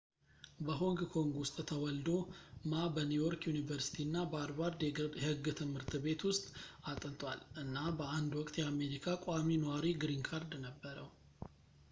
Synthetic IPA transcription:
bəɦo̞ŋɡkʰo̞ŋɡwʊst̪ʼt̪ʰəwɔld̪o̞mabənjujo̞ɾkjunivəɾsi̥t̪ʰinːabəad̪baɾd̪hɨɡːt̪ʰɨmhɨɾt̪ʰbe̞t̪wʊst̪ʼat̪ʼənt̪ʼwa̰lʔɨnːabəand̪wɔkʼt̪jɛame̞ɾikʰakʼaminəwaɾiɡɾiŋkʰaɾd̪nəbːəɾəw

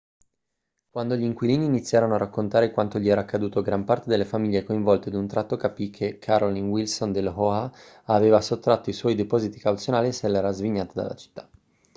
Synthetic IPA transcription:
kwand̪oʎiŋkwiliːniːnit̪sːjaːɾonoarakːont̪aːɾekwant̪oʎiɛːɾaːkːad̪uːt̪oɡɾampaɾrt̪ed̪elːefamiʎːekoiɱvɔlt̪ed̪unt̪ɾat̪ːokapikʰːekʰaɾolinwilsond̪elɦoa | aveːvasot̪ːɾat̪ːoiswɔjd̪epɔːzit̪i̥kawt̪sjonaːlisɛlːɛːɾazviɲːaːt̪ad̪a̰lːa̰t͡ʃi̥t̪ːḁ

